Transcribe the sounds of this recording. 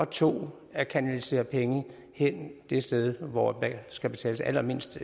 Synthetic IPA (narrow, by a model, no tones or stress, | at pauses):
ɒ̽t͡sʰo̝̰ː | æɐkʰænælise̝̰ːɐpʰeŋə | hen̰d̥e̝sd̥eð̞ˠʋɒ̥sɡ̥æb̥e̝t͡sʰɛ̰ːləsælɐme̝n̰sd̥